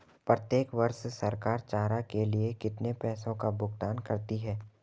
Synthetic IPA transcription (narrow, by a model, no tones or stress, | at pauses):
pɾət̪jeːkʋɐɾʃsɐɾkaːɾt͡ʃaːɾakeliekɪt̪nepɛːsõkabʊɡt̪aːnkɐɾt̪iɦɛː